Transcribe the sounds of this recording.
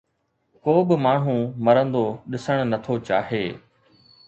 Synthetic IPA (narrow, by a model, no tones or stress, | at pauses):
koːbɪmaːɳ̤ũmɐɾə̃nd̪oɗɪsəɽ̃nɐt̪ʰot͡ɕaːɦeː